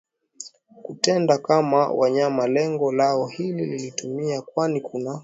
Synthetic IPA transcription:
kutɛndakama̰wʔaɲamalɛŋɡɔlaɔhilililitumiakwanikʰuna

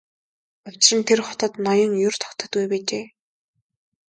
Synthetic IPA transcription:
ʊw̥ʲt͡ɕrɘ̆nt̪ʰerχɔt̪ə̆t̪nɔjɞ̆ŋjʊr̥t̪ʰɔ̥kt̪ə̆t̪ɡujpeːt͡ɕeː

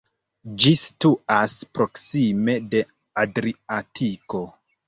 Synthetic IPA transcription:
d͡ʒistuaspɾo̞ksime̞de̞ | adɾiatʰiko̞

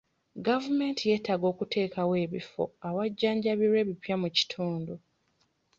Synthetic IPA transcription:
ɡavume̞ːntije̞ːtaɡo̞ːkutʰe̞ːkawe̞ːβifo̞̰awaɟːaːɲɟaβiɾwe̞ːβipjamuci̥tʰuːndu

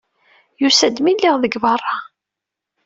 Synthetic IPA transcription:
jusæd̪milːiʁðəɡvɑrˤːɑ

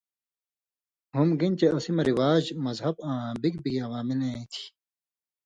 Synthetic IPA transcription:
humɡint͡ɕeɐsimɐɾiwaːd͡ʑmɐzɦɐbãːbikbikɐwaːmileĩt̪ʰi̥

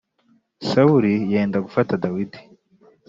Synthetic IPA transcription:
sauɾijeːndaɡufatadawidi

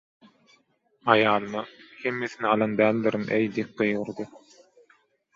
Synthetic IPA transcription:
ɑjɑːlˠɯnɯhe̞mːeθiniɑlˠɑnd̪æːlʲd̪iɾɯnʔejd̪ip̚ɡɯjɣɯɾd̪ɯ

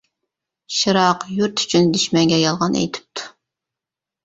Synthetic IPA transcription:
ʃɨɾɑqjuɾt̪ʰy̥t͡ʃʰynd̪yʃmɛŋɡʲɛjɑlˠʁɑnʔḛjt̪ʰɪ̥p̚t̪ʰu̥

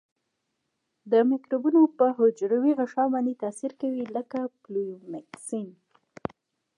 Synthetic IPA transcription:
d̪əmɪkɾubunopəɦʊd͡ʒɾawiɣaʃɑbɑnd̪et̪asiɾkawiləkaplumaksin

